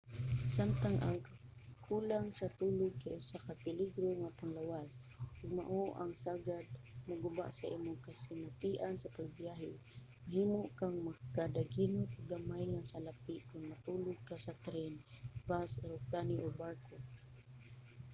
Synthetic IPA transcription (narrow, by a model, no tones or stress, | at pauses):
samt̪aŋʔa̰ŋkakʰulaŋsat̪uːlʊɡ̚kajʔʊsakapɪliɡɾoŋap̪aŋlawas | ʔʊɡ̚ma̰ʔoʔaŋsaɡad̪̚mʊɡʊba̰ʔsaʔimʊŋkasɪnat̪iʔansapaɡ̚bijaɦɪ | maɦimoʔkaŋmakad̪aɡinot̪aɡamajŋasalapɪʔkʊnmat̪ulʊɡ̚kasat̪ɾɛnbasɛɾopɾaniʔobaɾko